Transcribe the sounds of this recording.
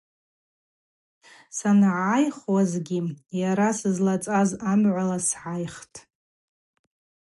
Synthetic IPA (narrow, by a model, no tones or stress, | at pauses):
sanʕajχwazɡʲijaɾasɨzlat͡sʼazamʕʷalasʕajχtʼ